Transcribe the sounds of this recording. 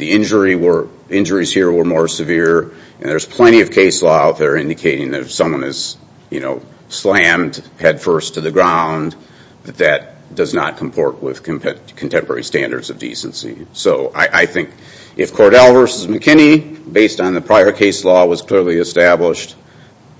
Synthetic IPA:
ðiɪ̃nd͡ʒə˞iwə˞ | ɪ̃nd͡ʒə˞iz̥hiɹwə˞mɔɹsɨvɪɹ | ʔɨ̃nðə˞z̥pʰl̥ɛ̃ɾ̃iʌv̥kʰeɪslɔaʊt̪̚ðə˞ɪ̃ndɨkʰeɪɾɪ̃ŋðɨɾfsʌ̃mwʌ̃nɨz̥ | jɨno̰ʊ | slæ̃md̥hɛd̥fɜ˞stʰɨðɨɡɹãʊ̃n | ðɨt̪̚ðɨt̚ | d̥ʌznə̰t̚kʰm̩pʰɔɹt̚wɪ̰ð̥kʰkʰn̩tʰɛ̃mpə˞ɛ̰ɹistæ̰̃ndə̰˞dz̥ʌvdḭsn̩sḭsoʊʔa̰ɪʔaɪθɪ̃ŋk | ʔɨfkʰɔɹɾɛlˠvɜ˞səzmɨkʰɪ̃ñibeɪstn̩ðɨpʰɹ̥aɪə˞kʰeɪslɔwʌz̥kʰl̥ɪɹlˠiɨstæbləʃt̚

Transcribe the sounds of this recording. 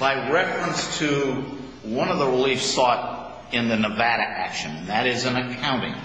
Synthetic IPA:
b̥aɪɹɛfɹə̃nstʰɨ | wʌ̃nʌvðəɹəlifsɔɾ | ɨ̃nðɨnəvæɾɨʔæ̰kʃɨ̃ñn̩ðɨɾɪzɨ̃nɨkʰãʊ̃ɾ̃ɪ̰̃ŋ

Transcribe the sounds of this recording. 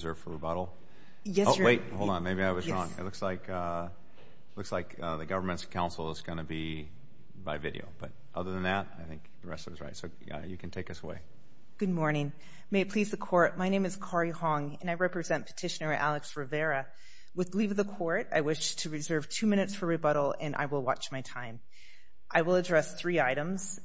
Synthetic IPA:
zɜ˞v̥fə˞əbɑɾl̩ˠ | jɛsoweɪt̚hoʊlˠd̃nmeɪbiaɪwʌzɹɔ̃ŋɪ̰tˡlʊkslaɪkʰʌ | tˡlʊkslaɪkʌðɨɡʌvə˞mɨ̃ntskʰãʊ̃nsl̩ˠzɡ̥ʌnɨbi | baɪvɪɾḭo̰ʊb̥ʌɾ | ʔʌðə˞ðɨ̃n̩ðæt̚aɪθɪ̃ŋkðɨɹɛstə˞zɹa̰ɪtsoʊ | ʌ̰jɨkʰn̩tʰeɪkʌsəwḛɪ | ɡ̥ʊd̚mɔɹnɪ̃ŋ | meɪpʰl̥izðɨkʰɔɹt̚maɪñẽɪ̃mɨz̥kʰɑɹihɑ̃ŋɨ̃naɪɹɛpɹɨzɛ̃npʰə̥tʰɪʃɨnɛɹiʔælˠɨksɹɨvɛɹɨ | wɨðlivʌðəkʰɔɹta̰ɪwɪʃtʰɨɹɨzɜ˞v̥tʰʉmɪ̃ñɨtsfə˞ɹɨbʌɾl̩ˠɨ̃nʔa̰ɪwəlˠwɑ̰t͡ʃmaɪtʰãɪ̃m | ʔaɪwəlˠədɹɛsθɹiaɪɾɨ̃mz̥

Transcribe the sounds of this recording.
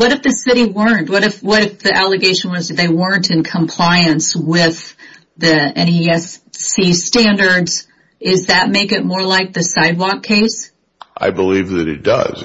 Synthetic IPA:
wʌɾɨfðɨsɪɾiwɜ̃˞nʔwʌɾɨfwʌɾɨfðiʔælˠɨɡeɪʃɨ̃n̩wʌzdɨd̪̚ðeɪwɜ̃˞ntʰɨ̃nkʰə̃mpʰl̥aɪɨ̃nswɪð | ðiɛ̃nɛsːistæ̃ndə˞dz̥ | ɪzðɨt̚meɪkɨt̚mɔɹlaɪk̚ðɨsaɪd̚wɔkʰːeɪs | ʔa̰ɪbəlivðɨɾɨ̰t̚d̥ʌ̰z̥

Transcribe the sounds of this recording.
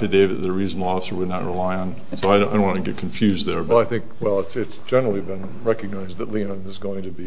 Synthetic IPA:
ðɨdeɪvɨt̪ðəɹiznl̩ˠɑsə˞wədⁿnə̰ʔɹilaɪə̃n | soʊaɪd̃dõʊ̃ñʔwɑ̃ntʰɨɡɛt̚kʰɱfjʉzðə˞baɪθɪ̃ŋkwɛlˠətsɪtsd̥ʒ̥ɛ̃nə˞l̩ˠibɨ̃n | ɹɛkɨɡ̚naɪzðətˡliə̃nɨzɡoʊɪ̃ŋtʰɨbi

